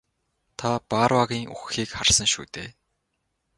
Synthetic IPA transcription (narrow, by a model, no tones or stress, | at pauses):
t̪ʰapaːrwaɣʲiːŋṵxxiːkχarsə̆ŋʃṵːt̪eː